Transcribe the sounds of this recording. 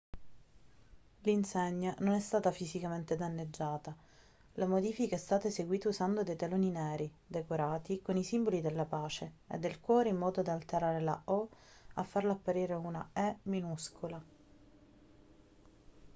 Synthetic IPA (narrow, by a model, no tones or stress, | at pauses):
linseɲːanonɛst̪aːt̪afizikament̪ed̪anːed͡ʒːaːt̪a | lamod̪iːfikaɛst̪aːt̪aseɡwiːt̪ausand̪od̪ejt̪aloːninɛːɾi | d̪ekoɾaːt̪ikonisimbolid̪elːapaːt͡ʃeḛd̪ːelkwɔːɾeimːɔːd̪od̪aalt̪eɾaːɾela̰ɔ | afːarlaapːaɾiːɾeuna̰ɛminuskʰola